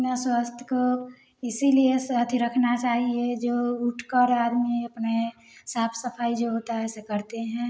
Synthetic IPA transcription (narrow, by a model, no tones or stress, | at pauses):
naswaːst̪ʰjə̥ko | ɪsiliesət̪ʰiɾəkʰnat͡ʃaːɦied͡ʒoːʊʈʰkəɾaːd̪miɐpne | saːpʰsəpʰaːid͡ʒoɦoːt̪aɦɛsekəɾt̪eɦɛ̃